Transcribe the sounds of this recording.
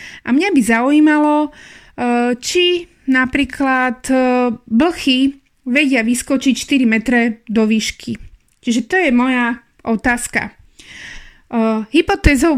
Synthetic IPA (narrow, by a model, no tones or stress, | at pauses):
ʔamɲabizaujiːmalɔ | t͡ʃi | napɾiːkʰlat̪bl̩xi | ʋɛɟɪaʋiskɔt͡ʃicʃt̪iɾimɛt̪ɾɛd̪ɔʋiːʃkʰi | t͡ʃiʒɛt̪ɔjɛmɔja | ʔɔt̪aːska̰ | ɦipɔt̪ɛːzɔʊ